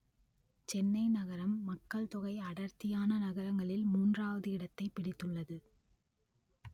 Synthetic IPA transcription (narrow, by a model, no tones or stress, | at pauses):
t͡ʃɛnːɐɪnɐɣɐɾɐmːɐkːɐɭt̪ɔɣɐɪɐɽɐɾt̪ɪjaːnɐnɐɣɐɾɐŋɡɐɭɪlmuːndraːʋɐðɯɪɽɐt̪ːɐɪpːɪɽɪt̪ːɯɭːɐðɯ